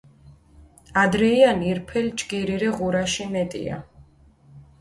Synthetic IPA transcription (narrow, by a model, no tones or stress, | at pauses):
ad̪ɾɛianiɾpʰɛld͡ʒɡiɾiɾɛʁuɾaʃimɛt̪ʼḭa̰